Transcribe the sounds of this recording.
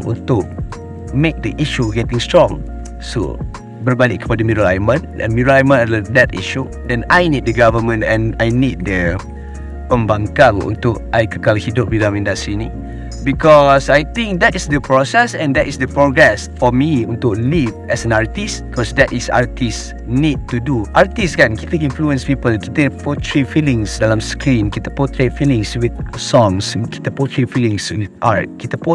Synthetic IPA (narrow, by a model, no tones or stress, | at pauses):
ʔṵ̃nt̪ʊʔ̚ | mek̚dəʔiʃuɡɛtĩŋstɹɔ̃ŋ | so̰ | bəɹbalik̚kːəpadəmidɾəlajmə̃nɛ̰̃nmudɾalajmə̃naədɛtḭʃu | dɛ̃najnid̚dəɡavəmə̃nɛ̃najnit̚də | pə̃mbãŋkãŋṵ̃nt̪ʊkajkəkalhidʊp̚widãmĩndastɹinĩ | bikɔsajt̪ĩŋk̚d̪ɛtisdəpɹɔsɛsɛ̃ndɛtisdəpɹɔɡɹɛsfɔmiũnt̪uk̚livɛsɛ̃naɹtisbikɔsdɛtisa̰ɹtis | nid̚tːuduʔaɹtiskãnkifĩkĩnfluə̃nspipəlt̪ut̪ẽpɔtʰɹifilĩŋsdalãmskɹĩnkit̪əpɔtʰɹet̚filĩŋswit̪̚sɔ̃ŋski̥t̪əpɔtʰɹifilĩŋsinʔat̚kit̪əpɔ